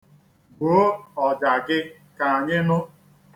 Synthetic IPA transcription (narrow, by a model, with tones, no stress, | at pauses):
bo˨˦ɔ˨d͡ʒa˨ɡɪ˦ | ka˨a˨ɲɪ˦nʊ˦